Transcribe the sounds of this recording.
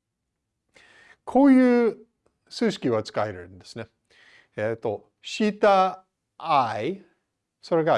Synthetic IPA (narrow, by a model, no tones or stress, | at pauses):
kʰo̞ːjɯ̟ː | sɨːɕi̥kʲiβ̞at͡sɨ̥kaeɾeɾɯ̟̰̃nd̪e̞sɨne̞ | et̪ːo̞ | ɕit̪aː | i | so̞ɾe̞ɡa